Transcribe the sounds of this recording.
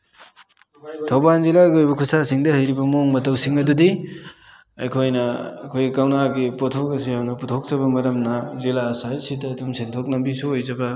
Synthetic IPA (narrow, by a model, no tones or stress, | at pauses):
tʰɐwbanzilaɡiojbɐkʰusasiŋdɐhɐjɾibɐmoŋmɐtɐwsiŋɐdudi | ɐ̰jkʰojnɐɐkʰojɡikawnaɡipotʰokɐs̬ijamnɐputʰok̚zɐβɐmɐɾɐmnɐzilasajsitɐdumsentʰok̚nɐmbisuojzɐbɐ